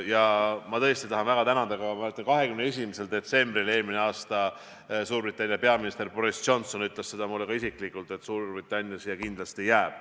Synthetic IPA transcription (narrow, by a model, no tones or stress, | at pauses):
jɑmɑt̪ɤ̞st̪it̪ɑɦɑnvæɡ̥ɑt̪ænɑd̪ɑɡɑmɑæøt̪ːˑɑnkɑɦe̞kymneesimise̞ld̪̥e̞t̪se̞mbrile̞ːlmine̞ɑːst̪ɑ | suːɾbrit̪ːˑɑnʲjɑpe̞ɑminist̪e̞rb̥o̞ɾist͡ʃo̞nso̞nyt̪ˑlesse̞d̪ɑmulːekɑisikˑlikˑult̪e̞t̪suːrbrit̪ːˑɑnʲjɑsijɑkind̪lɑst̪ejæːb̥̚